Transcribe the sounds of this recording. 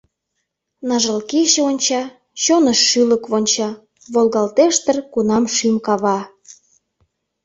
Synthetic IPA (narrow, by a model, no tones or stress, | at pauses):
nɑʒəlkiɕĕonʲt͡ɕɑ | t͡ɕonəʃːyləkβonʲt͡ɕɑ | βolɣɑlt̪eʃt̪ərkunɑmʃymkɑβɑ